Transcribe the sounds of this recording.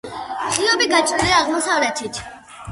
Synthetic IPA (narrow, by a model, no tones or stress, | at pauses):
χiɔbiɡat͡ʃʰʼɾiliaʁmɔsavlɛt̪ʰit̪ʰ